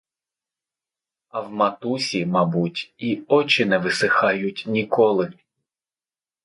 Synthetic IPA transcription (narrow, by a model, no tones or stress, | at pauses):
ɐwmɐt̪usʲimɐbutʲiɔt͡ʃɪnɛʋɪsɪxɑjʊtʲnʲikɔlˠɪ